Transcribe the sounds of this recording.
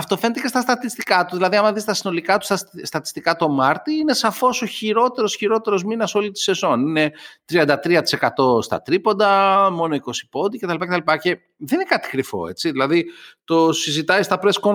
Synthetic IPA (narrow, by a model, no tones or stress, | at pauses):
ɐft̪o̞fe̞ne̞t̪ece̞st̪ɐst̪ɐt̪ist̪i̥kɐt̪uðilɐðiɐmɐðist̪ɐsino̞likɐt̪u̥st̪ɐst̪ɐt̪i̥st̪ikɐt̪o̞mɐɾt̪iine̞sɐfo̞so̞çiɾo̞t̪e̞ɾo̞sçiɾo̞t̪e̞ɾo̞zminɐso̞lit̪i̥se̞zo̞nine̞t̪ɾiɐnd̪ɐt̪ɾiɐt̪i̥se̞kɐt̪o̞st̪ɐ̰t̪ɾipo̞nd̪ɐmo̞no̞iko̞si̥po̞nd̪icet̪ɐlipɐceɐlipɐce̞ | ðeninekɐt̪i̥xɾifo̞̰e̞̰t͡siðilɐðit̪o̞sizit̪ɐist̪ɐpɾe̞sko